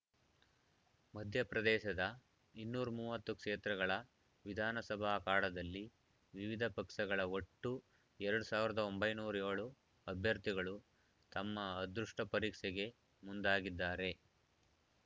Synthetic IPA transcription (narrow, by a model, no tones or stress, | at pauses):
mɐd̪ʱjɐpɾɐd̪ɛːʃɐd̪ɐ | inːuːɾɐmuːʋɐt̪ːukʂeːt̪ɾɐɡɐɭɐ | ʋid̪ʱaːnɐsɐbʱaːkaːɽɐd̪ɐlːi | ʋiʋid̪ʱɐpɐkʂɐɡɐɭɐo̞ʈːu | ɛɾɐɽusaːʋiɾɐd̪ɐo̞mbɐjnuːɾɐeːɭu | ɐbʱjɐɾt̪iɡɐɭu | t̪ɐmːɐːd̪ɾuʂʈɐpɐɾiːkʂɛɡe̞ | mund̪aːɡid̪ːaːɾe̞